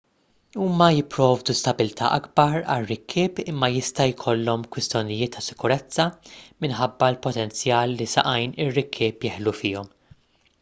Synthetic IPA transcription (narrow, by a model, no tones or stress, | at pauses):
uːmɐjɪpːɾɔːvd̪ust̪ɐbɪlt̪ʰɐ̰ːʔɐɡbɐɾɐ̰rːɪkʰːɪːpɪmːɐjɪst̪ɐjkʰɔlːɔmkwɪst̪jɔnɪjɪːt̪ʰːɐsɪ̥kʊɾɛt͡sːɐmɪnħɐbːɐlpɔt̪ɛnt͡sjɐːlːisɐ̰ʔɐjnɪrːɪkʰːɪːpjɪːħlufɪːɔm